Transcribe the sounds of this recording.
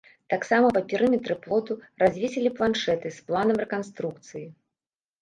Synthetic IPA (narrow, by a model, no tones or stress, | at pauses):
t̪aksamɐvɐpʲiɾɨmʲɛt̪ɾɨplˠɔt̪urazʲvʲisʲilʲiplˠanʂɛt̪ɨsplˠanɐmrɛkanst̪ɾuk̚t̪sɨji